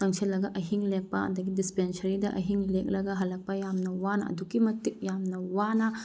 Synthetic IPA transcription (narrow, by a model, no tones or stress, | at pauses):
tɐŋsʰilːɐɡɐʔɐɦiŋlek̚pɐɐ̰dɐɡidispensɐɾidɐʔɐɦiŋlek̚lɐɡɐɦɐlːɐk̚pɐjamnɐwanɐɐ̰dukimɐtik̚jamnɐwanɐ